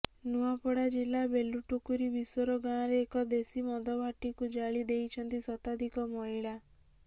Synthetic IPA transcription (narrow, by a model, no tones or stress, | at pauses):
nuapɔɽad͡ʒilːabeluʈukuɾibisɔɾɔɡãɾeːkɔd̪esimɔd̪ɔbʱaʈikud͡ʒaɭid̪ejt͡ʃʰɔnt̪isɔt̪ad̪ʱikɔmɔɦiɭa